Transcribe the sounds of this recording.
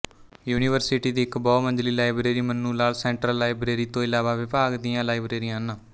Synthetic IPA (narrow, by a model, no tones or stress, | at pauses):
juːniːʋəɾsɪʈiːd̪iːɪkbɔːmənd͡ʒliːlaːɪbɾeːɾiːmənːuːlaːlsɛ̃ːɳʈɾəlːaːibɾeːɾiːt̪õːɪlaːʋaːʋɪpaːɡd̪iːãːlaːɪbɾeːɾijãːnãː